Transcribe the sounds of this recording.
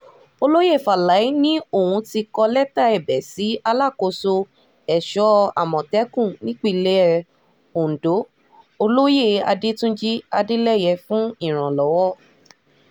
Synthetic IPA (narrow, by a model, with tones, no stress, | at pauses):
o˧lo˦je˦˨fa˨la˨˦i˦nĩ˦o˦˨wũ˧ti˧kɔ˧lɛ˦ta˦ɛ˨bɛ˨si˨˦a˧la˦˨ko˧so˧ | ɛ˨ʃɔ˦a̰˨mɔ̃˨tɛ˦kũ˦˨nĩ˦k͡pi˦˨le˦ɛ˧ | o˨n̩˨do˨˦ | o˧lo˦je˦˨a̰˧de˦tũ˦d͡ʒi˦a˧de˦lɛ˦˨jɛ˧fũ˦i˦˨ɾ̃ã˨lɔ˨˦wɔ˦